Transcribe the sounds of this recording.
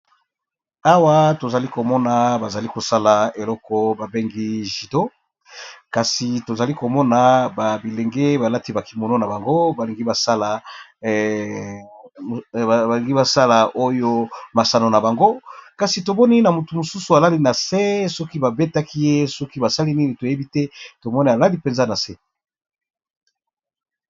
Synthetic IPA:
a˦wa˦to˨za˨li˦ko˨mɔ˦na˨ba˨za˨li˦ko˨sa˦la˨e˨lɔ˦kɔ˦ba˨be˦ŋɡi˦ʒi˨do˦ | ka˨si˨to˨za˨li˦ko˨mɔ˦na˨ba˨bi˨le˨ŋɡe˦ba˨la˦ti˦ba˨ki˨mo˨no˦na˨ba˨ŋɡo˦ba˨li˨ŋɡi˦ba˨sa˦la˨ | ba˨li˨ŋɡi˦ba˨sa˦la˨ʔo˦jo˦ma˨sa˨no˨na˨ba˨ŋɡo˦ka˨si˨to˨mɔ˦ni˦na˨mu˨tu˨mu˨su˦su˨a˨la˦li˦na˨se˦sɔ˦ki˦ba˨be˦ta˦ki˦je˦sɔ˦ki˦ba˨sa˦li˦ni˦ni˨to˨je˦bi˦tɛ˦to˨mɔ˦ni˦a˨la˦li˦pe˨nza˦na˨sɛ˦

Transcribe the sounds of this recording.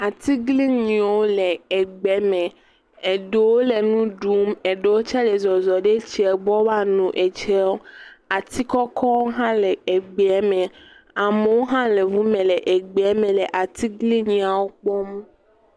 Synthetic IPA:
a˨t̪i˦ɡli˦ɲĩ˨wo˦le˨e˨ɡ͡bɛ˨mẽ˨ | e˨ɖe˨wo˦le˨nũ˦ɖu˦me˨ɖe˨wo˦t͡ʃa˦le˨zɔ˨zɔ˨ɖe˦t͡ɕi˦ɛ˨bɔ˦wa˦nũ˨ʔe˨t͡ʃɛ˦wo˦a˨t̪i˦kɔ˦kʰɔ˦wo˦ɦã˦le˨e˨ɡ͡bɛ˨ɛ˦mẽ˨ | a˨me˨wo˦ɦã˦le˨vu˦mẽ˨le˨ʔe˨ɡ͡bɛ˦mẽ˨le˨ʔa˨t̪i˦ɡli˦ɲĩ˨a˨wo˦k͡pɔ˦m˦

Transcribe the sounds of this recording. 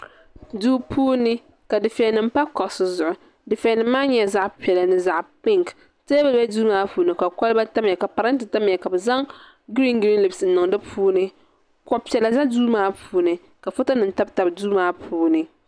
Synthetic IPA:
duː˦pʰuː˦nɨ˦ | ka˨dɪ˨fɛ˨nɨ˨m̩˦pa˦kɔ˨sʊ˨zʊ˨ʔʊ˨ | dɪ˨fɛ˨nɨ˨mːaː˦ɲɛ˦za˦ʔpi˨ɛ˨la˨nɨ˦za˦˨ʔpɪ˦˨ŋk | tɛ˦bɛ˦bɛ˦duː˦maː˦puː˨nɨ˨ka˨kɔ˦lba˦ta˦mjɛ˨ka˨pa˨ɾa˦n˦tɨ˨ta˦mjɛ˨ka˨bɛ˨za˦ŋ | ɡɾi˦ŋɡɾi˦li˨bsn̩˨nʊ˨ŋdɨ˦pʰuː˦nɨ˦ | kɔ˨pi˨ɛ˨la˨za˦duː˦maː˦pʰuː˦nɨ˨ | ka˨fʊ˦ta˦nɨ˨n̩˨ta˦bta˨bduː˦maː˦pʰuː˦nɨ˨

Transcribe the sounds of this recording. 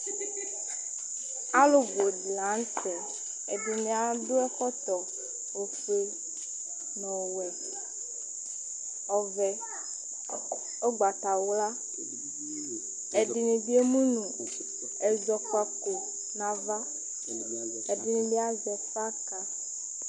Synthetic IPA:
a˦lo˦bo˨di˨lã˨˦n˦tɛ˨ | e˨di˨nẽ˨a˨ɖo˦ɛ˦xɔ˦t̪ɔ˨ | wo˨fe˦ | nɔ̃˨wɛ˨ | ɔ˨vɛ˨ | o˦ɡ͡ba˨t̪a˨wla˦ | e˨di˨nĩ˨bi˦e˦mũ˦nũ˨ | ɛ˨zɔ˨k͡pa˨ko˨ | nã˨va˦ | e˨di˨nĩ˨bi˦a˦zɛ˨fa˦ka˨

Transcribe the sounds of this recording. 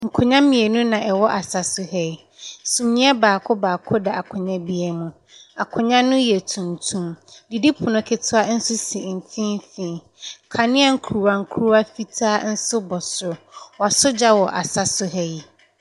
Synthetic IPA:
ŋ̩˨kʰʊ̃˨ɲã˦mɪ̃˨e˨nũ˦nã˨ʔɛ˨wɔ˦ʔa˨sa˨sʊ˦ɦɛ˦i˨ | sũ˨mɲĩ˦ɛ˦baː˨kʰʊ˦baː˨kʰʊ˦da˨a˨kʰʊ̃˨ɲã˦bi˦ɛ˨mũ˨ | a˨kʰʊ̃˨ɲã˦nʊ̃˦jɛ˨tʰũ˨ntʰũ˦mdi˨di˦pʰʊ˨nʊ̃˨kʰɪ˨tʰʊ˦a˦n̩˦sʊ˦si˨m̩˨tʰĩ˦m˦fĩː˨ | kʰa˨nɪ̃˦a˦ŋ̩˦kʰu˨ɾu˨wa˨ŋ̩˦kʰu˦ɾu˦a˦fi˦tʰaː˦n̩˦sʊ˦bɔ˨sʊ˨wɔ˨a˨sʊ˦d͡ʑa˦wɔ˨ʔa̰˨sa˦sʊ˦ɦɛ˦i˨

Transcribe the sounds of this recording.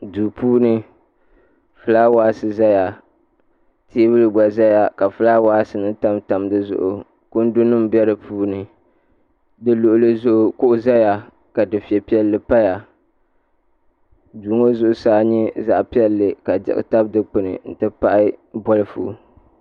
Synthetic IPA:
duː˨puː˦nɨ˦ | fɨ˨˦la˦waː˦sɨ˦za˦ja˨ | tʰeː˦bɨ˦lɨ˦ɡ͡ba˨za˦ja˨ka˨fɨ˦laː˦waː˦sɨ˨nɨ˦ta˦mta˨mdɨ˦zʊ̰˨ʔʊ˨ | kʊ˦n̩˦dʊ˦nɨ˦m˦bjɛ˦ɾɨ˨pʰuː˦nɨ˨ | dɨ˦lo˨ʔʊ˨lɨ˦zʊ˦ʔʊ˨kʊ˦ʔʊ˦za˦ja˨ | ka˨dɨ˨fi˨ɛ˨pi˦ɛ˦lːɨ˨pa˦ja˨ | duː˨ŋo˦zʊ˦˨ʔʊ˨saː˦ɲɛ˦za̰˦ʔpi˦ɛ˦lːɨ˨ka˨d͡ʒɛ̰˦ʔɨ̰˦ta˦b̚dɨ˦k͡pɨ˨nɨ̰˨n̩˨tɨ˦pa˦ʔɪ˦bɔ˦lɨ˦fṵ˦

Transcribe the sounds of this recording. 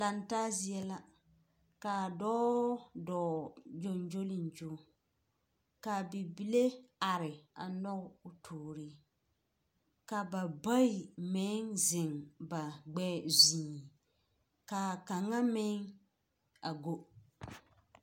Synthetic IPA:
la˨ntaː˦zi˦ɛ˦la˦ | ka˨dɔː˦dɔː˨d͡ʒo˦nd͡ʒo˦lɪ˨nd͡ʒo˦ | ka˨bi˨bi˨le˦a˨ɾɪ˨a˨nɔ˦ɣʊ˨tʰoː˨ɾi˦ | ka˨ba˨ba˦i˨mɛ˦ŋzɪ˨ŋba˨ɡ͡bɛː˦zĩː˨ | ka˨ka˨ŋːa˦mɪ˦ŋ | a˨ɡo˦

